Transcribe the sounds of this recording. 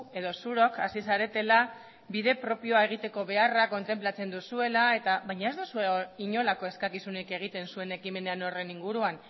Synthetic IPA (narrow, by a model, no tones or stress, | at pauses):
e̞ðo̞suɾo̞kasisaɾe̞t̪e̞la | biðe̞pɾo̞pio̞ae̞ɣ̞it̪e̞ko̞βe̞arako̞nt̪e̞mplat͡se̞nd̪usue̞lae̞t̪aβajɲae̞zd̪usueiɲo̞lako̞e̞skakisuneke̞ɣ̞it̪e̞nsue̞ne̞kime̞neano̞re̞niŋɡuɾuan